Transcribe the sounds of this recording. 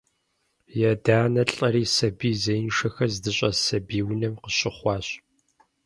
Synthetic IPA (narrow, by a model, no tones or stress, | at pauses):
jɛdaːnɐɬʼɐɾiːsɐbiːzɐjnʂɐxɐzdɨɕʼɐsɐbiːwnɐmqəɕʼɪχʷɑːɕʼ